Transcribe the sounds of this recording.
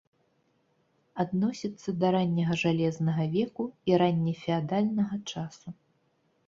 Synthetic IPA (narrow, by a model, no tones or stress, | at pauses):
ad̪nɔsʲit̪sːɐd̪ɐɾanʲːɐɣɐʐalʲɛznɐɣɐvʲɛkuiɾanʲːɛfʲɛad̪alʲnɐɣɐt͡ʂasu